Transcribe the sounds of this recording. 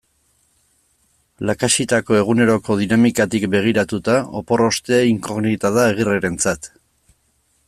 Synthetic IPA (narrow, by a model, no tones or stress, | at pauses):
lakaʃit̪ako̞e̞ɣ̞une̞ɾo̞ko̞ð̞inamikat̪ikbe̞ɣ̞iɾat̪ut̪aopo̞ro̞st̪e̞iŋko̞ɣnit̪aðaeɣ̞ireɾe̞nt͡sat̪